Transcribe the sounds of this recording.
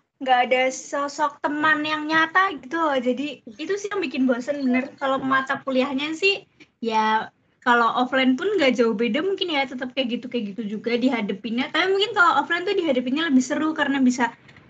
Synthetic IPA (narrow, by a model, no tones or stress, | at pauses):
ŋɡaːdasɔsɔk̚t̪əmanjaŋɲat̪aɡit̪ud͡ʒadiːt̪usɪhjaŋbikɪnbaasanbənərkalomat̪apuliahɲasɪh | ja | kalowʔɔflanpʊnŋɡad͡ʒauhbedamuŋkɪnjat̪ət̪əp̚kajakɡit̪ukajakɡit̪ud͡ʒuɡadiɦadapinɲat̪apimuŋkɪnkaloʔɔflant̪ʊdiɦadapinɲaləbɪhsəɾukarənabisa